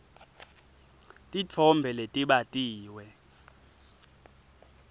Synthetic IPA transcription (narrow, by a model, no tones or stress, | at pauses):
tʼit͡fʰɔmbʱɛletʼiɓatʼiːwɛ